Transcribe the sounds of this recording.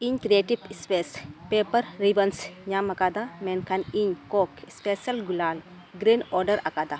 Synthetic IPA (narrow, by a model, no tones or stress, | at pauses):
iɲt̪ɾieʈipspespepəɾːibɐnsɲamɐkad̪amɛnkʰaniɲkokspesɐlɡulaːl | ɡɾinɔɾɖɐɾakad̪a